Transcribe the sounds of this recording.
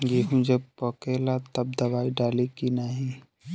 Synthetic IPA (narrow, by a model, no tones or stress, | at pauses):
ɡeɦũd͡ʒɐb̚pokelat̪ɐb̚d̪ɐbaːiɖaːlikinaɦĩ